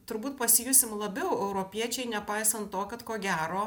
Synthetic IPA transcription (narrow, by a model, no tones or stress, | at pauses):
t̪ʊɾbuːt̪̚pɐsʲɪjʊsʲɪmlˠɐbʲɛʊɛʊɾopʲiɛt͡ʃʲɛɪnʲɛpɐɪsɐnt̪t̪oːkɐt̪koːɡʲæːɾoː